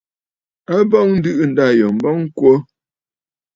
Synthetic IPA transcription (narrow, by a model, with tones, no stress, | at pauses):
a˦bɔ˦ŋn̩˦dɨ˦ʔn̩˨da˦˨jɔ˨m̩˨bɔ˦ŋ̩˦kwo˦